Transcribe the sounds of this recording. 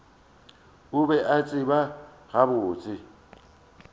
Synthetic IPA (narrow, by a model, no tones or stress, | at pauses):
ʊbɛʔat͡sʼɪba | ɣabʊːt͡sʼɪ